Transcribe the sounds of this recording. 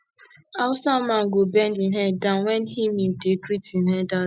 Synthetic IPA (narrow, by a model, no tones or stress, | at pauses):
asamãɡobɛndiɦɛdãnwɛnɦimimdekɾitiɦɛda